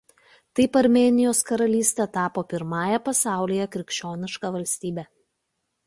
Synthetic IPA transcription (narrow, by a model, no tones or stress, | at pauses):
t̪ɐɪpɐɾʲmʲeːnʲɪjoːskɐɾɐlʲiːsʲt̪ʲɛt̪ɑːpoːpʲɪɾmɑːjɛpɐsɑˑʊlʲiːjɛkɾʲɪkʲʃʲt͡ʃʲoːnʲɪʃkɑːʋɐlʲsʲt̪ʲiːbʲe